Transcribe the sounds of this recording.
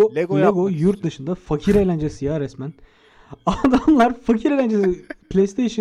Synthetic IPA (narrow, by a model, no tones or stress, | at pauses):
lʲeɡojuɾt̪̚d̪ɯʃɯnd̪afacʰiɾejlʲænd͡ʒesɯjaɾɛsmæn | ad̪amlˠaɾfacʰiɾelʲænd͡ʒesɯpʰlʲejst̪ʰejʃɯ